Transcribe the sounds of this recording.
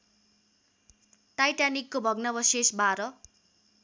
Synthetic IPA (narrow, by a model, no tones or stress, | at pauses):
ʈajʈanikːobʱʌɡnʌbʌsesbaɾʌ